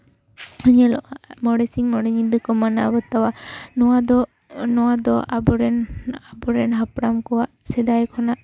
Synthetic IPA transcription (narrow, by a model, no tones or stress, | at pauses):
əɲɛlɔʔamɔɽɛsiŋmɔɽɛɲid̪ɯkɔmanabɔt̪awanɔad̪ɔ | nɔwad̪ɔʔabɔɾɛnabɔɾɛnɦapɽamkɔwaʔsɛd̪ajkʰɔnaʔ